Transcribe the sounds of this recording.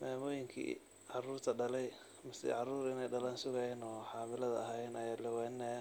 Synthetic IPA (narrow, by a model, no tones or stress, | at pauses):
mɛːmɔːjɪŋkʰḭː | ʕɑruːrt̪ʰɐɖɐlɛj | mɐsɪ̰ʕɑruːɾɪnɛjɖɐlɐnsʊɣɛjɛnɔːħɑːmɪlɐðɐɐɦɛjnɐjɛːlɐwɛːnːɛ